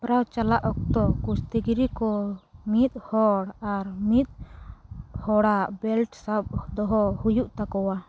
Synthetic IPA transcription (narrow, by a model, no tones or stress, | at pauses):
pɾawt͡ʃalaʔɔk̚t̪ɔkust̪eɡiɾikɔmit̪̚hɔɽaɾmit̪̚ | hɔɽaʔbɛlʈsab̚d̪ɔɦɔhujuʔt̪akɔwa